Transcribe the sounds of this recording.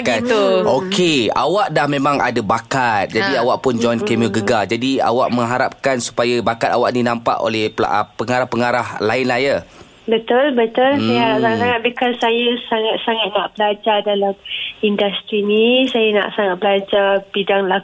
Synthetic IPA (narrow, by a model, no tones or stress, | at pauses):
kat̪ʊlokʰea̰waʔdahmẽmãŋa̰dabakat̪̚d͡ʒadiawaʔpʊnd͡ʒɔnkemoɡəɡad͡ʒadia̰waʔmə̃ŋɦaɾap̚kansu̥pajabakat̪awaʔninãmpa̰ʔo̰lɛhpəŋaɾahpəŋaɾahlaɪnlaja | bət̪ʊlbət̪ʊlsajaɦaɾap̚saŋasaŋat̪̚bikalsajəsaŋat̪̚saŋat̪̚naʔbəlad͡ʒadalamindast̪ɾinisajana̰ʔsaŋat̪̚bəlad͡ʒabidaŋla